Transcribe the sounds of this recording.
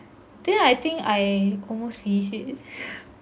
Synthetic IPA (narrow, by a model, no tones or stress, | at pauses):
d̥ɛ̃najt̪ĩŋkajɔlmostɹiiʃit